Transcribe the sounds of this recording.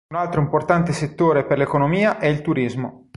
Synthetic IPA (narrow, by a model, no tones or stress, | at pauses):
nalt̪ɾoimport̪ant̪eset̪ːoːɾeperlekonomiːaʔɛilt̪uɾizmo̰